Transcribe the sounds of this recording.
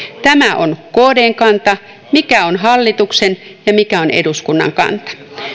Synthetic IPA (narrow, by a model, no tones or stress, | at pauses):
t̪æmæʔo̰nkoːdeːŋkɑnt̪ɑ | mikæonɦɑlːit̪uksenjɑmikæonḛduskunːɑ̰ŋkɑ̰nt̪ɑ̥